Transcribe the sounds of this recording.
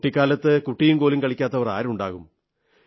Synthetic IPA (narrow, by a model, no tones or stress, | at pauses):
ʈːikʲːaːlɐt̪ːɨkuʈːijumkoːlimkɐɭikʲːaːt̪ːɐʋɐra̰ːɾuɳɖaːɣum